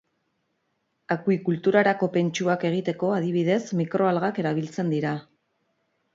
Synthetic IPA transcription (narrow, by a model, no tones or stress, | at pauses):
akwikult̪uɾaɾako̞pe̞nt͡ʃuake̞ɣ̞it̪e̞ko̞að̞iβ̞iðe̞smikɾʔo̞alɣake̞ɾaβ̞ilt͡se̞nd̪iɾa